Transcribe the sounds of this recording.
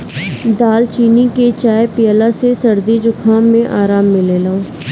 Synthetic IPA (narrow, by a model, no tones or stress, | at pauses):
d̪aːlt͡ʃiːniket͡ʃaːjpɪjəlasesəɾd̪id͡ʒʊkʰaːmːẽʔaːɾaːmːɪlelãõ